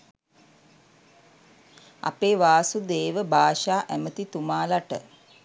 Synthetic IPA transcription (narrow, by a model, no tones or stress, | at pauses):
a̰peːʋaːsud̪eːʋəbʱaːʃaːʔæmət̪it̪umaːlaʈə̰